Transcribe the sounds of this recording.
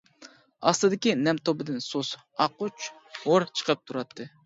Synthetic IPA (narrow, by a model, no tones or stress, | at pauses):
ɑslˠɨd̪ɪkʲinɛmt̪ʰobɨd̪ɪnsos | ɑqut͡ʃhoɾt͡ʃʰə̥qʰəp̚t̪ʰuɾɑt̪ʰːɨ